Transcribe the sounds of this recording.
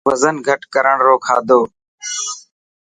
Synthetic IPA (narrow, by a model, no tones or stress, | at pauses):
ʋəzənɡʱəʈkəɾəɳɾoːkʰa̰ːd̪oː